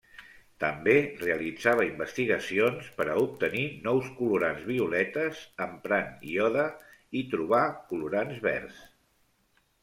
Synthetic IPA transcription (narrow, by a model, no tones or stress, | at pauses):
t̪əmbereəlid͡zaβəimbəst̪iɣəsionspəɾəup̚t̪əninɔwskuluɾanzβiulɛt̪əzəmpɾaniɔðəit̪ɾuβ̞akuluɾanzβɛ̰rs